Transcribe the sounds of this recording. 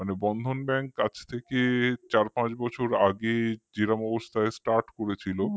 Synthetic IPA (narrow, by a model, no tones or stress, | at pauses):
manebɔnd̪ʱonbɛŋkkat͡ɕʰt̪ʰeket͡ɕaɾpãt͡ɕbɔt͡ɕʰoɾaɡed͡ʑiɾamɔbost̪ʰaesʈaɾʈkoɾet͡ɕʰilo